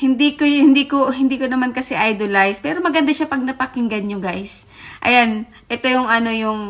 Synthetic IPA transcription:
hɪnd̪iːkohɪnd̪iːkohɪnd̪iːkonɐmankɐsɛʔajd̪olajspɛːɾo̞mɐɡɐnd̪aʃapɐɡ̚nɐpɐkɪŋɡɐnɲoɡajs | ʔɐ̰jan | ʔɛt̪o̞jʊŋɐno̞jʊŋ

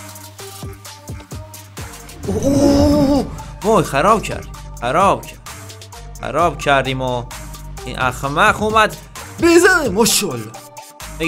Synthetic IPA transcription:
u | moːjxæɾɒːbcʰæ̰ɾd̪xæɾɒːbcʰæ̥ | xæ̰ɾɒːbcʰæɾd̪iːmo | ḭʔæxmæquːmæd̪ | bezænemoʃol | b̥e

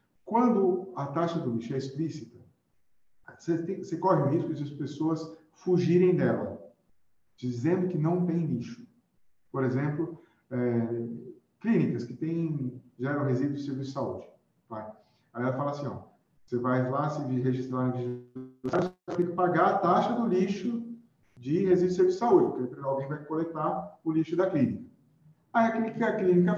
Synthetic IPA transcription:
kwɐ̃nd̪ʊɐt̪aʃɐd̪ʊbiʃʊɛisplisit̪ɐ | set̪ẽsekɔɦɪʊɦiskʊd͡ʒɪɐspesoɐs | fuʒiɾẽj̃d̪ɛlɐ̰ | d͡ʒizẽnd̪ʊkɪnɐ̃w̃t̪ẽj̃liʃʊ̥ | poɾezẽmplʊ | ɛ | klĩnikɐskɪt̪ẽj̃ʒɛɾɐ̃w̃ɦezid̪ʊd͡ʒɪseɾvisɪsaud͡ʒɪ | t̪a | ajɛlɐfalɐsĩɔ̰ | osevajlasɪɦeʒist̪ɾaɾnɐviʒost̪ẽkɪ̥paɡaɾɐt̪aʃɐd̪ʊliʃʊ | d͡ʒɪhezid̪ʊseɾvid͡ʒsʊsaud͡ʒɪpʊɾkepeɾ̃awɡẽj̃vajkolek̚t̪aʊliʃʊd̪ɐklĩnikɐ | aiɐkikɐklĩnikɐ

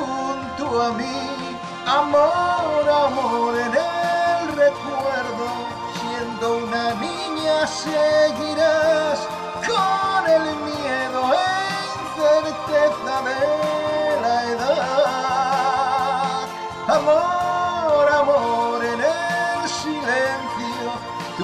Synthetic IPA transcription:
unt̪uami | amoɾamoɾenelrekweɾðo | sjend̪ounami | ɲaseɣiɾas | konelmjeðoe | t̪eɾt̪et̪aðe | laeða | amo | ɾamoɾenelsilenθjo

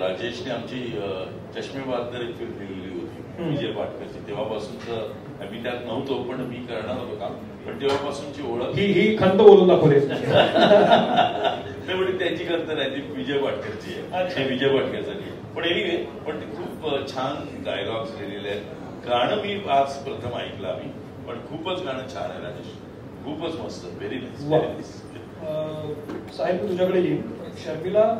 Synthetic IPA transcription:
ɾad͡ʑeɕneamt͡ɕiː | t͡ɕəɕmeʋaɾd̪əɾekfʰiɾbiɾuliːɦot̪iː | ʋid͡ʑejbaʈʰkəɾt͡ɕiːt̪eʋ̤apasuːnt͡sə | miːʈ̪aknəʋt̪opəɳmiːkəɾɳ̃aɦot̪okam | pəɳt̪eʋ̤apasuːnt͡ɕiːoɭəkɦiɦiːkʰənt̪əboluːnd̪akʰod̪e | meʋəɳet̪jat͡ɕiːkəɾt̪əɾat̪iːʋid͡ʑejbaʈʰkəɾt͡ɕiːjeeʋid͡ʑejbaʈʰkat͡saʈḭje | pəɳeiɡepəɳkʰuːpt͡ɕʰan | ɡa̰jɾɔɡsɡʱelelje | kaɽ̃əmiːat͡spɾət̪ʰəma̰ik̪la̰ːmiː | pəɳkʰuːpət͡skaɽ̃ət͡ɕʰa̰ɾa̰jla̰e | kʰuːpət͡sməst̪əʋeɾinajsʋaɾina̰js | saɦibt̪ud͡ʑʱakəɽeliːnɕəɾfila

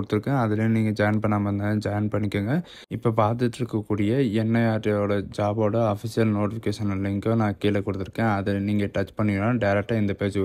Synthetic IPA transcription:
ɽɯt̪ːɯɾɯkːẽɐðɪlẽniːŋɡɐd͡ʒɐjnpɐɳːaːmɐnd̪ɐd͡ʒɐjɐnpɐɳːɪkːeːŋɡɐ | ɪpːoːbaːt̪ɪɐt̪ːɪɾɯkːɐkːuːɽɪjɐɛnːɐjaːʈːoːɽɐd͡ʒaːboːɽɐɐfɪsɪjɐlnoːʈɪfɪkeːʂɐnɐlɪŋkõnãːkiːlɐkːɔɽɯt̪ːɯɾɯkːẽːɐðɐniːŋɡɐʈɐt͡ʃpɐɳːɪnaːɖɐɪɾɛk̚ʈaːɪnd̪ɐpeːt͡ʃ

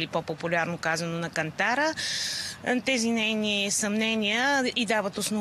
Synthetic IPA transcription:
lipɔpopulʲaɾnokazənonɐkɐnt̪aɾə | t̪ɛzinɛjnisɐmnɛniəid̪avət̪osno

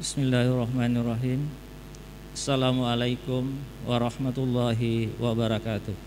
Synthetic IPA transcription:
bɪsmɪlːaharˤːɑhmanarˤːɑɦiːm | asalamualajkʊmwaɾˤɑhmat̪ulːɑɦiwabaɾˤɑkaːt̪ʊh

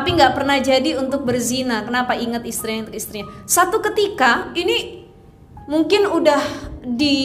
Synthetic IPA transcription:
apiŋɡaʔpərnahd͡ʒadiunt̪ʊk̚bərzinakənapaiŋət̪ist̪ɾiɲant̪ʊkist̪ɾiɲasat̪ukət̪ikaini | muŋkɪnudahdi

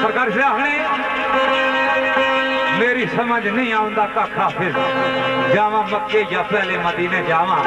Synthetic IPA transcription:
səɾkaːɾsɾaːɦɳ̃iː | meːɾiːsəməd͡ʒnə̃ĩːaːʋʊ̃nd̪aːt̪aːkʰaːpʰɪɾ | d͡ʒaːʋãːmək̪ːeːjaːpɛːleːməd̪iːnɛ̃ːd͡ʒaːʋãː

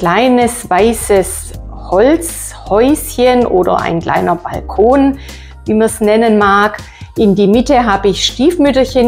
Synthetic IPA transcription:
kl̥aɪnəsvaɪsəs | hɔlt͡s | hɔʏsçənʔoːdɐ̰ʔa̰ɪnkl̥ʔa̰ɪnɐba̰lkʰoːn | viːmɐsnɛnənmaːk | ʔɪndiːmɪtəɦaːbəɪçʃtiːfmʏtɐçən

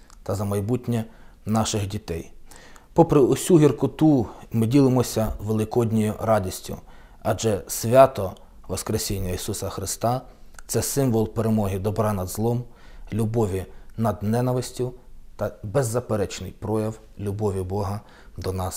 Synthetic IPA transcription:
t̪ɐzɐmɐjbutʲnʲɐnɑʃɪxdʲit̪ɛjpɔpɾɪʊsʲuɦʲirkʊt̪umɪdʲilˠɪmɔsʲɐʋelˠɪkɔdʲnʲɔjʊɾɑdʲisʲtʲʊ̰ | ɐd͡ʒɛsʲʋʲɑt̪ɔ | ʋɔskɾesʲinʲːɐisusɐxɾɪst̪ɑ | t̪sɛsɪmʋɔlˠpeɾemɔɦɪd̪ɔbɾɑnɐd̪zlˠɔmlʲubɔʋʲinɐd̪nɛnɐʋɪsʲtʲʊwt̪ɐbɛzːɐpeɾɛt͡ʃnɪjpɾɔjɐw | lʲubɔʋʲibɔɦɐ | d̪ɔnɑs

